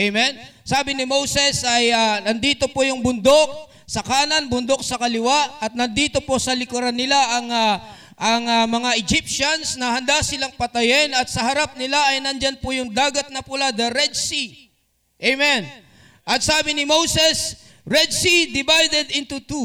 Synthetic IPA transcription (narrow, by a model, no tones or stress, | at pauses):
ʔejmɛnsaːbɪnɪmo̞wsɛsɐjɐnɐnd̪iːt̪o̞pojʊŋbʊnd̪o̞k̚ | sɐkaːlɐnbʊnd̪o̞k̚sɐkɐlɪwaɐt̪̚nɐnd̪iːt̪o̞po̞sɐlɪkʊɾanːɪlaʔɐŋa | ʔɐŋɐmɐŋaʔɛd͡ʒip̚ʃɐnsnɐhɐnd̪asɪlaŋpɐt̪ɐjɛnɐt̪sɐɦɐɾap̚nɪlaɐjnɐnd͡ʒanpʊjʊŋd̪aːɡɐt̪̚nɐpʊlad̪ɐɾɛd̪si | ʔejmɛn | ʔɐt̪̚saːbɪnɪmowsɛs | ɹɛd̪sid̪ɪbajd̪ɛd̪ɪnt̪ut̪u